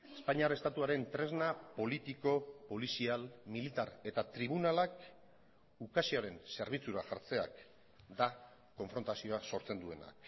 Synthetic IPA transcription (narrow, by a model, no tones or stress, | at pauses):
e̞spaɲiaɾe̞st̪at̪uaɾe̞nt̪ɾe̞znapo̞lit̪iko̞po̞lisialmilit̪aɾe̞t̪at̪ɾiβunalak | ukasiaɾe̞nse̞ɾβ̞it͡suɾaʝaɾt͡se̞a̰k | d̪a | ko̞ɱfɾo̞nt̪asio̞aso̞ɾt͡se̞nd̪ue̞na̰